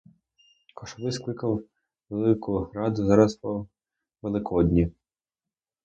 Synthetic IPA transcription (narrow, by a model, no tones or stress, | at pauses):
kɔʃɔʋɪsklˠɪkɐw | ʋelˠɪkʊɦɾɑd̪ʊzɑɾɐspɔ | ʋelˠɪkʰɔd̪ʲnʲi